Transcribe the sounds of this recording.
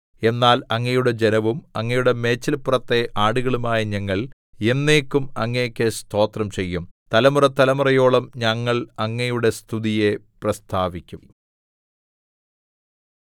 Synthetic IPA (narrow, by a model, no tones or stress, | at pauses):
e̞nːaːlɐŋːɐjuɽe̞d͡ʑe̞nɐʋumɐŋːɐjuɽe̞me̞ːt͡ɕːɐlpurɐt̪ːe̞ʔaːɽuɣɐɭumaːjɐɲɐŋːɐɭ | e̞nːe̞ːkːumɐŋːejkʲːest̪ʰo̞ːt̪rɐmt͡ɕe̞jːumt̪ɐlɐmurɐt̪ːɐlɐmurɐjo̞ːɭɐmɲɐŋːɐɭɐŋːɐjuɽe̞st̪ʰuðije̞prɐst̪ʰaːʋikʲːum